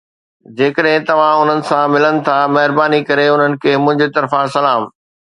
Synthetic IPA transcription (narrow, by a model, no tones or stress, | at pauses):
d͡ʑeːkəɗɦɪ̃t̪ɐʋ̤ãʊn̤ənɪ̆sãmɪlənɪ̆t̪ʰamɐɦɪɾbaːnikɐɾeʊn̤ənɪ̆kʰeːmʊ̃ɦɪ̃ɲd͡ʑet̪ɐɾfãsɐlaːm